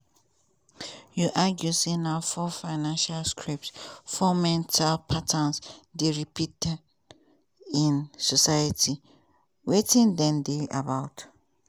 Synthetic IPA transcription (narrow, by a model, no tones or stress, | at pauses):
juʔaɡjusinafɔfaɪnãnʃalskʰɹip̚tsfɔmɛ̃ntʰalpʰatʰãnsdeɹipʰitɛd | ĩnsɔsajatʰi | wetʰĩndɛ̃ndeʔabaʊt